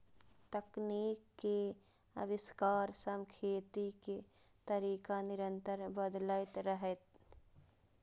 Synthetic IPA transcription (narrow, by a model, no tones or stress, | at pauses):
t̪əkniːkːe | əwɪskaːɾsəmkʰeːt̪ike | t̪əɾiːkanɪɾə̃nt̪əɾbəd̪laːɪt̪ɾəɦet̪